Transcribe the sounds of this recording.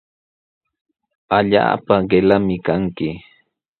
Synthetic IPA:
aʎa̰ːpaɢelamɪkaŋkɪ

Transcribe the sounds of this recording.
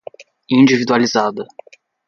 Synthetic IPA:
ĩd͡ʒivid̪ualizad̪ɐ

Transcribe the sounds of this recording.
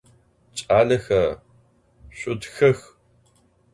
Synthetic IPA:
t͡ʃʼaːɮɐxɐ | ɕʷʼʊdxɐx

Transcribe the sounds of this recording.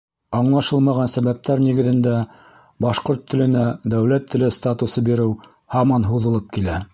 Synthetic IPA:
ɑɴlˠɑʃɤlˠmɑʁɑnsæβæp̚t̪æɾniɡɘ̆ðɘ̆nd̪æ | bɑʃqoɾt̪ʰːɘ̆lɘ̆næd̪æwlæt̪ʰːɘ̆lɘst̪at̪usɤbiɾɘw | hɑmɑnɦuðɤ̆lˠɤp̚kilæ

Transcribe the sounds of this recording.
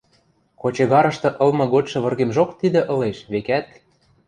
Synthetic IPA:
kot͡ɕɤ̆ɣɑɾɤ̆ʃt̪ɤ̆ʔɤ̆lmɤ̆ɣotʲʃɤ̆βɤ̆rɣemʒokt̪id̪ĕʔɤ̆leʃβekæt̪̚

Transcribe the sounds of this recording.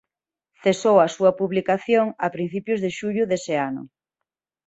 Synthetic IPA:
θesowɐsuɐpuβlikaθjoŋɐpɾin̟θipjʊzðeʃuʎʊðesɪanʊ̰

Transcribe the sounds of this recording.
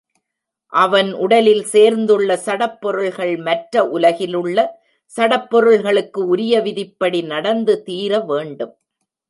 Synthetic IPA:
ʔɐʋɐnʔʊɽɐlɪlseːɾnd̪ɯɭːɐsɐɽɐpːɔɾɯɭɣɐɭmɐʈɾɐʔʊlɐɣɪlɯɭːɐ | sɐɽɐpːɔɾɯɭɣɐɭɯkːɯʊɾɪjɐʋɪðɪpːɐɽinɐɽɐnd̪ɯt̪iːɾɐʋeːɳɖɯm

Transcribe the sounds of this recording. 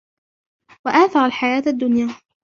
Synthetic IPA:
waʔaːθɑɾˤalħajaːt̪ʔad̪ːʊnjaː

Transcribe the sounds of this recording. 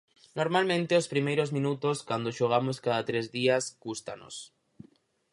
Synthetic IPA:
noɾmalmẽnt̪eospɾimejɾozmĩnut̪oskwand̪oʃoɣ̞amoskaðat̪ɾezðiaskust̪a̰no̰s

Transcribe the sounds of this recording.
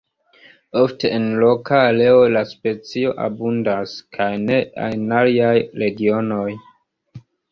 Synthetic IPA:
ofte̞ːnlo̞kaːle̞o̞laspe̞t͡sio̞ʔa̰bundaskʰajne̞a̰naliajɾe̞ɡio̞no̞j

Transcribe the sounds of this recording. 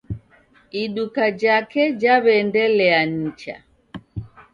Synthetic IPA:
iɗukad͡ʒakɛd͡ʒaβɛndɛlɛaɲ̩t͡ʃa̰

